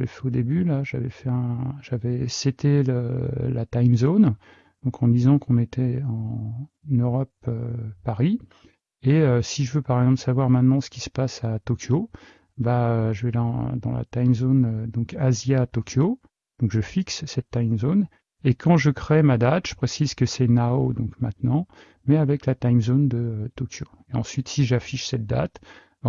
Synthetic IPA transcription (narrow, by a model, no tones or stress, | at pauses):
vɛ̰fɛod̪ebylaʒavɛfɛɛ̃ʒavɛset̪eləlat̪ajmzon | d̪̥ɔ̃kʰɑ̃d̪izɑ̃kʰɔ̃net̪ʰɛɑ̃ | nøʁɔp̚ø̰ːaʁi | eøsiʒəvøpaʁɛɡzɑ̃plsavwaʁmɛ̃t̪nɑ̃sə̥kʲi̥sə̥pasat̪ɔkʲʰjo | baøʒəvɛlã̰d̪ɑ̰̃la̰t̪ajmzonød̪ɔ̃kazjat̪ɔkʲʰjo | d̪̥ɔ̃kʒəfikssɛt̪ːajmzon | ekʰɑ̃ʒəkχemad̪at̪ʒ̥ə̥pχesizkəsɛnaod̪ɔ̃kmɛ̃t̪nɑ̃ | mɛavɛklat̪ajmzond̪əøt̪ɔkʲjo | eɑ̃sɥit̪siʒafiʃsɛt̪̚d̪at̪